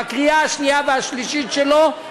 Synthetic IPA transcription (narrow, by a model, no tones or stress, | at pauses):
akʁiaaʃniaveaʃliʃitʃelo